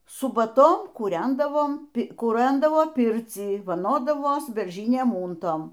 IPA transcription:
sʊbɐˈtoːn kuːˈrʲɛndɐʋoːm kuːˈrɐndɐʋoːˈpʲɪrʲt͡sʲiː ʋɐˈnoːdɐʋoːs bʲɛrʲˈʒʲɪnʲiɛm ˈuːntoːm

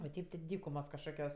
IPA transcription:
oː ˈtʲɛɪp tʲɪ ˈdʲiːkʊmoːs kɐʃˈkoːkʲoːs

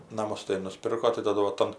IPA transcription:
nɐˈmʊs tɐɪ nʊˈsʲpʲɪrkoː tɐɪ tɐˈdʊ ʋɐ ˈtɐm

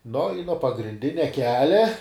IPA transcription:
noː ɪ nuɔ pɐɡrʲɪnʲˈdʲɪnʲɛ ˈkʲæːlʲɛ

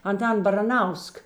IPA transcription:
ɐnˈtɐn bɐrɐˈnɐʊsk

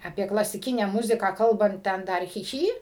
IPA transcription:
ɐˈpʲiɛ klˠɐsʲɪˈkʲɪnʲæː ˈmʊzʲɪkɑː ˈkɐlˠbɐnt ˈtʲɛn ˈdɐr xʲɪ ˈxʲiː

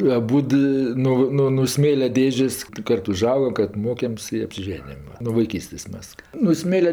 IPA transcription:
ɐˈbuːt ˈɪ ˈnoː ˈnoː noː ˈsʲmʲeːlʲɛ ˈdʲeːʒʲeːsʲ ˈkɐrt ʊˈʒɐʊɡɐm ˈkɐrt ˈmoːkʲɛmʲsʲ ɪ ɐpʲsʲɪˈʒʲæːnʲɪjɛm nuɔ ʋɐɪˈkʲiːsʲtʲeːsʲ ˈmʲɛs noː ˈsʲmʲeːlʲɛ

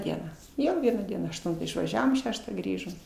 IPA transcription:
ˈdʲiɛnɑː ˈjoː ˈʋʲiɛnɑː ˈdʲiɛnɑː ɐʃˈtʊntɑː ɪʃʋɐˈʒʲæːʋoːm ˈʃʲæːʃtɑː ˈɡrʲiːʒoːm

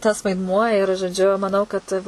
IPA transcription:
tɐs ʋɐɪdˈmuɔ ɪr ʒoːˈd͡ʒʲʊ mɐˈnɐʊ kɐt

